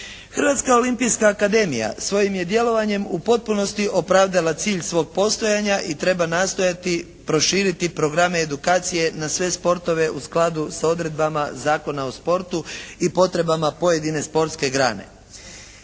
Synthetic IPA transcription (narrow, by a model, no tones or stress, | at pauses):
xr̩ʋat̪skao̞limpijskaːkad̪e̞mḭja̰sʋo̞jimje̞d̪je̞lo̞ʋaɲe̞mupo̞t̪̚puno̞st̪iʔo̞pɾaːʋd̪alat̪siːʎsʋo̞ːɡ̚po̞st̪o̞jaɲaʔit̪ɾe̞banaːst̪o̞jat̪i | pɾo̞ʃiːɾit̪ipɾo̞ɡɾameːd̪ukaːt̪sije̞nasʋe̞spo̞ɾt̪o̞ʋe̞usklˠad̪usao̞d̪ɾe̞d̪bamazaːko̞naospo̞ɾt̪uipo̞t̪ɾe̞bamapo̞je̞d̪ine̞spo̞ɾt̪ske̞ɡɾa̰ːne̞̰